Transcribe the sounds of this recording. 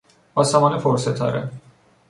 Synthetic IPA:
ɒːsæmɒːnefoɾset̪ʰɒ̰ːɾe

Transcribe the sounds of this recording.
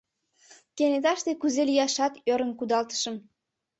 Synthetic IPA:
kenet̪ɑʃt̪ekuzelijɑʃɑt̪øɾə̆nkud̪ɑlt̪ə̥ʃə̆m

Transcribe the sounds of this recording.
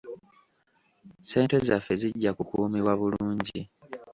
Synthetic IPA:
se̞ːnte̞zafːe̞ziɟːakukuːmiβwaβuluːɲɟi

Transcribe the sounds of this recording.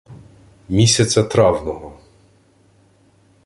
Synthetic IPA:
mʲisʲɐt͡sʲɐt̪ɾɑwnɔɦɔ

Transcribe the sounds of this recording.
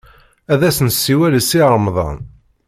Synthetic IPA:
æðæsənsːiwæləsiəɾˤmðˤɑ̰n

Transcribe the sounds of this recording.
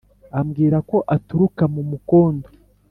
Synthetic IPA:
amɡiːɾako̞ʔatuɾukamumuko̞ːndo

